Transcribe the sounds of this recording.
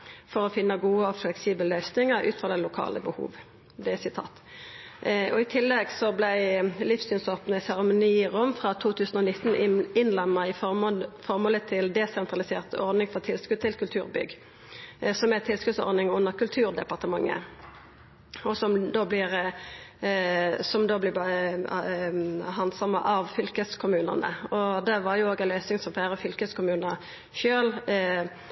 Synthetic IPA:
fɔʁɔfɪnːəɡuːəɔflɛksiːbəllœʏsnɪŋəʁʔʉ̰ːt̪fʁɑd̪ɛlʊkʰɑ̰ːləbəhṵːʋ | d̪ɛsɪt̪ʰɑ̰ːt̪ | ɔɪt̪ʰɪlːɛɡsɔblæɪlɪfsyːnsɔp̪nəsɛʁəmʊniːʁʊmfʁɑt̪ʰuːt̪ʰʉːsn̩ɔnɪt̪ːn̩ɪnlɛmːəʁɪfɔʁmoːlət̪ʰɪld̪ɛsɛnt̪ʁɑlɪseːʁt̪ɔʁd̪ɪŋfɔt̪ʰɪlskʉd̪̚t̪ʰɪlkʰʉlt̪ʰʉːʁbʏ̰ɡ | sɔmɛt̪ʰɪlskʉd̪sɔ̰ɾd̪nɪŋʉnːəʁkʉlt̪ʰʉːʁd̪ɛpɑʁt̪əmɑŋːə̰ | ɔsɔmd̪oːblɪʁ | sɔmd̪oːblɪb | ɦɑnsɑməʔɑʋfʏlkəskʰʊmʉːnə̰nə̰ɔd̪ɛʋɑʁjʊoːɡɛnlœːsɪŋsɔmfæːʁəfʏlkəskʰʊmʉːnə | ʃøːl

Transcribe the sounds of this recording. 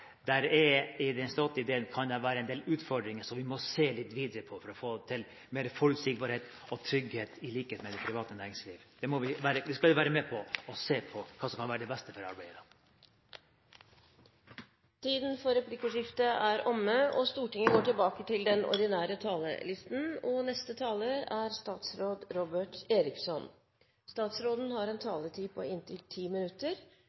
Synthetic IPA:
d̪æɾɛɪd̪ɛnst̪ɔt̪ːəɪd̪eːənkʰɑnd̪æɾʋæːɾəɛɪnd̪eːlʉːt̪fɔɖɾɪŋəsɔmʋɪmɔseːlɪt̪ːʋiːd̪əɾəpʰɔfɔɾɔfoːt̪ʰɪl | meːɾəfɔlsɪkbɑɾheːt̪ | ɔt̪ʰɾʏɡheːt̪ɪliːkəheːt̪mɛd̪ɛpʰɾɪʋɑːt̪ənæːɾɪŋsliːʋd̪ɛmɔʋɪʋæːɾəd̪ɛskɑldɪʋæːɾəmɛpʰɔɔseːpʰɔkʰɑːsɔmkʰɑnʋæːɾəɖ̪ɛbɛst̪əfɔɾɑ̰ɾbæɪd̪ɑ | t̪ʰiːd̪nfɔɾɛpʰlɪkəʂɪft̪əʔæɾʔɔmːəɔst̪uːʈɪŋəɡoːʈɪlbɑːkət̪ɪld̪ɛnʔɔ̰ɾɖ̪ɪnæːɾət̪ʰɑːlə̰lɪst̪n̩ɔnɛst̪ət̪ʰɑːləɾæɾst̪ɑːt̪sɾoːd̪ɾɔbəʈeːɾɪksɔn | st̪ɑːt̪sɾoːd̪n̩hɑɾɛnt̪ʰɑːlət̪ʰiːpʰɔɪnt̪ʰɪlt̪ʰiːmɪnʉt̪ːəɾ

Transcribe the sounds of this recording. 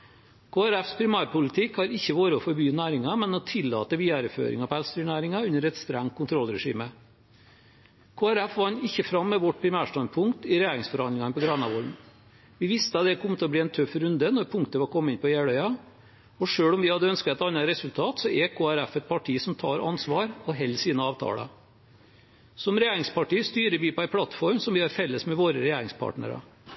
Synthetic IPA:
kʰoːæɾæfspʰɾɪmæːɾpʊlɪt̪ʰɪkhɑɾɪçːəʋoːɾəɔfɔɾbyːnæːɾɪŋɑmɛnɔt̪ʰɪlːɑ̰ːt̪əʋiːæɾəfø̰ːɾɪ̰ŋɑpɔælst̪ɾʏnæːɾɪŋɑʉnəɾɛt̪st̪ɾæŋt̪̚kʊnt̪ʰɾɔlɾɛʂḭːmə | kʰoːæɾæfʋɑnːɪçːəfɾɑmːɛʋɔʈ̚pʰɾɪmæːʂtɑnpʰʊŋkt̪ɪɾɛjæːɾɪŋsfɔɾɑnd̪ɪŋɑnpʰɔɡɾɑːnɑʋɔlm | ʋɪʋɪst̪əɑt̪d̪ɛkʰɔmːət̪ʰɔbliːɛnt̪ʰœfɾʉnd̪ənɔɾpʰʊŋkt̪əʋɑɾkʰɔmːəɪnpɔjæːɽœʏɑ | ɔʂøːɽɔmʋɪhɑd̪ːəœnsk̪ɛt̪ɑnːɑɾɛsʉlt̪ʰɑːt̪sɔʔɛkʰoːæɾæfɛt̪̚pʰɑʈʰiːsɔmt̪ʰɑ̰ːɾɑ̰nsʋɑːɾɔɦɛlːsiːnəɑːʋt̪ʰɑ̰ːɽə̰ | sɔmɾɛjeːɾɪŋspɑʈiːst̪yːɾəʋɪpɔæɪpʰɽɑt̪fɔɾmsɔmʋɪɑɾfɛlːəsmɛʋoːɾəɾɛjeːɾɪŋspʰɑ̰ːʈnə̰ɾɑ̰

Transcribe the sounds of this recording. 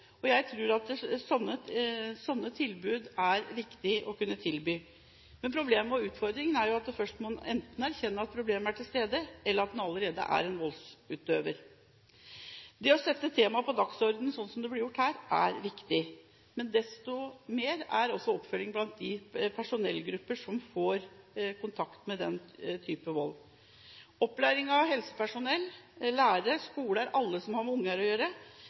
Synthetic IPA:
ɔjæɪt̪ʰɾʉːɾɑt̪̚sɔnːəsɔnːət̪ʰɪlbʉːd̪æɾʋɪkt̪ɪʔɔkʉnːət̪ʰɪlbyː | mɛnpʰɾʊbleːməɔʉːt̪fɔɾd̪ɾɪŋənæɾjʊɑt̪̚d̪ɛfœʂʈmɑnɛnt̪nɔæɾçɛnːəɑt̪̚pʰɾʊbleːmæʈʰɪlst̪eːd̪əɛlːəɾɑt̪̚d̪nɑləɾeːd̪ə̰ʔæ̰ɾɛnʋɔlsʉːt̪øːʋə̰ɾ | d̪ɛɔsɛt̪ːət̪ʰeːmɑpɔd̪ɑksɔɾd̪n̩sɔnːsɔmd̪ɛblɪɾjʊʈːhæːɾʔæɾʋɪkt̪ɪ | mɛnd̪ɛst̪ɔmeːɾæɾɔsːɔɔpːfœlːɪŋblɑnt̪̚d̪ɪpʰæʂʊnɛlːɡɾʉpːəʂɔmfoːɾkʊnt̪ʰɑkt̪mɛd̪ɛnt̪ʰyːpəʋɔl | ɔpːlæːɾɪŋɑʋɦɛlsə̥pæʂʊnɛlːlæːɾəʂkuːləæɾʔɑlːəsɔmhɑɾmʊŋːæɾɔjøːɾə

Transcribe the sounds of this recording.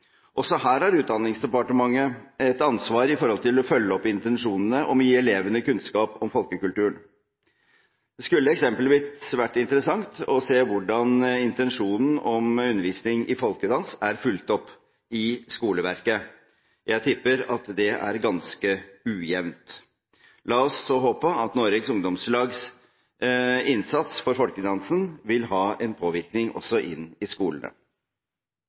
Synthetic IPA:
ʔɔsɔɦæːɾhɑɾʉːt̪̚d̪ɑnːɪŋsd̪ɛpɑʈəmɑŋːəɛt̪ɑnsʋɑːɾɪfɔɾhɔlt̪ɪlɔfœlːəɔpːɪnt̪ɛnʂuːnənəʔɔmjiːɛleːʋənəkʉnskɑːpɔmfɔlkəkʉlt̪ʉːəɳ | d̪̥ɛskʉlːəɛksɛmpəlʋiːt̪sʋæʈːɪnt̪əɾəsɑŋt̪ɔseːʋʊɖɑnɪnt̪ɛnʂuːnn̩ɔmʉnːəɾʋiːsnɪŋɪfɔlkəd̪ɑnsæɾfʉlt̪ɔpː | ɪskuːləʋæɾkə | jæɪt̪ʰɪpːəɾɑt̪d̪ɛʔæ̰ɾɡɑnskəʉːjɛʋnt̪ | lɑːɔsːɔɦoːpəɑt̪noːɾɛɡsʊŋd̪ɔmslɑːɡs | ɪnsɑt̪sfɔɾfɔlkəd̪ɑnsənʋɪlɦɑːɛnpʰoːʋɪɾknɪŋʔɔ̰sːɔʔɪnːɪskuːlənə̰

